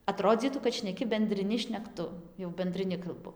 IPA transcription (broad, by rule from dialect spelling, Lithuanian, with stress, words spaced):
ɐˈtroːd͡zʲiːtuː kɐt ʃʲnʲɛˈkʲɪ bʲɛnʲdʲrʲɪˈnʲɪ ʃʲnʲɛkˈtʊ jɛʊ bʲɛnʲdʲrʲɪˈnʲɪ kɐlˠˈbʊ